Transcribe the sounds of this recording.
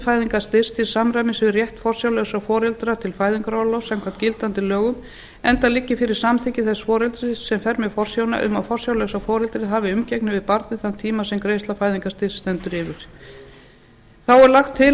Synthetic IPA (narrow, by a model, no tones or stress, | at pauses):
faːjðiŋkast̪ɪ̥st̪ʰɪlsamɾajmɪsɪrjɛht̪fɔr̥sjawlœwsafɔːɾɛlt̪ɾat̪ʰɪlfaːjðiŋkɾalowsɛmkʰvḁt̪cɪlt̪ant̪ɪlœːɣʏm | ɛnt̪alɪcːɪfɪɾɪɾ̥samθɪcɪθɛsfɔːɾɛlt̪ɾɪsɛmfɛɾmjɛfɔr̥sjoːwna̰ʔʏ̰mafɔr̥sjawlœwsafɔːɾɛlt̪ɾɪɦaːvɪʏmcɛknɪvɪðpaɾt̪nɪθanmt̪ʰiːmasɛmkɾejst̪lafaːjðiŋkast̪ɪ̥sːt̪ɛnt̪ʏɾɪːvɪɾ̥ | θawɛɾlaxt̪ʰːɪ